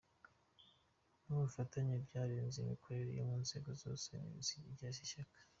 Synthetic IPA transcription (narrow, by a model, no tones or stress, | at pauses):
nuβufataɲabɟaːɾeːnzimiko̞ɾeɾḛjo̰muːnze̞ːɡozo̞̰ːsenḭiziiɟaʃ̬iʃakḁ